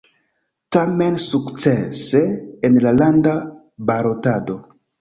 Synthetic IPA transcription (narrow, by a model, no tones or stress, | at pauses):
tame̞nsukt͡seseenlalanda | baɾo̞tado̞